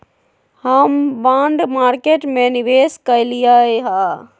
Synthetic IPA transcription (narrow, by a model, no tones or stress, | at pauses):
həmbaɳɖmaɾkeʈmeniʋeskəjlijəjɦa